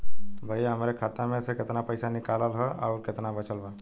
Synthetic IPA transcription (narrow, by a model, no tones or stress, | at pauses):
bʱajɦəmɾekʰat̪amẽəsekɪt̪napəjsanɪkaləlɦəʔa̰ɾkɪt̪nabət͡ʃəlba